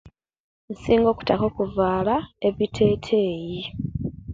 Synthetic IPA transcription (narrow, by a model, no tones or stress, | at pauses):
n̩siːŋɡo̞ːku̥tako̞kuvaːlaeβitʰe̞ːtʰe̞ːji